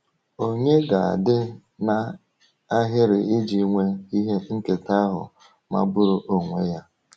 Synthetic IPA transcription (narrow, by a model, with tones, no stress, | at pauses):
o˦ɲe˦ɡa˨a̰˨dɪ˦ | na˨ | a˦ɦɪ˦ɾɪ˨ɪ˦d͡ʒi˨˦ŋʷe˦i˦ɦe˦ŋ̩˦ke˨ta˦ɦʊ̰˨ | ma̰˦bʊ˦ɾʊ˦ʔo˨ŋʷe˦ja˦